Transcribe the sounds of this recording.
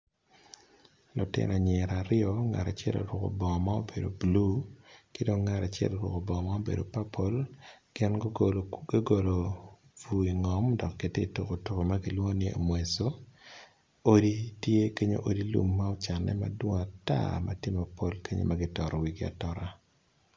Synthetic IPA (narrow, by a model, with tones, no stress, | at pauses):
lʊ˨tɪ̰˦nɔ˨ɲɛ˨ɾaɾɪɔ˦ŋa̰˨ta˨t͡ʃɛ̰˦lo̰˨ɾwɔ˨ko̰˨bɔ˨ŋɔ˨ma˦o̰˦be˨do̰˨blu˦kɪ˦do˦ŋːa˨ɾa˨t͡ʃɛ̰˦lɾwɔ̰˨ko˨bɔ˨ɔ˨ma˦o˦bḛ˨do˨pa˦pʰo˦lɡ̥ɪ˦n˦ | ɡo˨lo˨ | vu˨i˨ŋɔ˨mdɔ˨kːe˨te˦i˨to˨ko˨tu˦ko˨ma˦ɡɪ˦lwo˦ŋ˦nɪ˦o̰˨mwe˨so˦ | o˦di˦tje˦ke˦ɲo̰˦ʔo˦di˦lṵ˦mːa˦ɔ˦t͡ʃa˨nːɛ̰˦ma̰˦dwo˦ŋ˨a˨ta̰˦mʔa˦tji˦mo˨po˦lke˦ɲḛ˦maɡɪ˦tɔ˨ɾɔ˨wi˨ɡɪ˦a̰˨tɔ˦ɾa˦